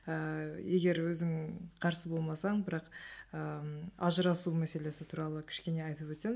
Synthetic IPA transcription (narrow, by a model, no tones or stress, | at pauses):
əje̞ɡʲe̞ɾwɵzɪŋqʰɑɾsəbo̞lˠmɑsɑɴbɪɾɑqəɑʒəɾɑsumæse̞le̞sɪt̪ʰuɾɑlˠəkʲʰɪ̥ʃkʲe̞ne̞ɑjt̪əpwɵt̪sem